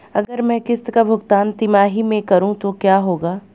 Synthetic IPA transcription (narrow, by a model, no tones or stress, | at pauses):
ɐɡəɾmɛ̃ːkɪst̪kabʱʊɡt̪aːnt̪ɪmaːɦimẽkɐɾũt̪okjaːɦoːɡaː